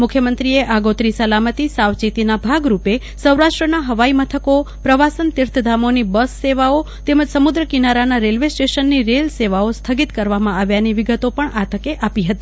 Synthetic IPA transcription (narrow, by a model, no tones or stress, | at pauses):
mʊkʰjəmənt̪ɾieʔaɡot̪ɾisəlamət̪isaʋt͡ʃit̪inabʱaɡɾupe | səwɾaʃʈɾənaɦəʋaimət̪ʰəkopɾəʋasənt̪ɪɾt̪ʰəd̪ʱamonibəsːeʋao | t̪eməd͡ʒsəmud̪ɾəkinaɾanaɾelʋesʈeʃənːiɾelseʋaost̪ʰəɡit̪kəɾʋamãaʋjaniʋiɡət̪opəɳat̪ʰəkeʔapiɦət̪i